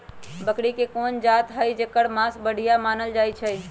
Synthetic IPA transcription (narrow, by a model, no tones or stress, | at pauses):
bəkɽikekond͡ʒat̪ɦəjd͡ʒekəɽmasbəɽ̤ʱijamanəld͡ʒajt͡ʃʰəj